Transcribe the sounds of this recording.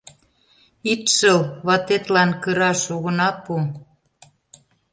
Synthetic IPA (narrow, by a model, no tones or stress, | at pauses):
it̪ʃəlβɑt̪et̪lɑnkəɾɑʃoɣə̆nɑpu